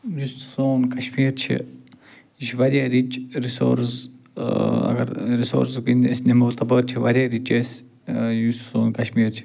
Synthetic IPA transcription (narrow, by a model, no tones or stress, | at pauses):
just̪soːnkɐʃmiːɾt͡ʃʰḭ | iʃʋɐɾjaɾit͡ʃɾiso̰ɾs | ɐ̰ɡɐ̰ɾɾiso̰ːɾsɡind̪iesnemɐwt̪ɐbəːɾt͡ʃʰiʋɐɾjaɾit͡ʃes | just̪soːnkɐʃmiːɾt͡ʃʰi̥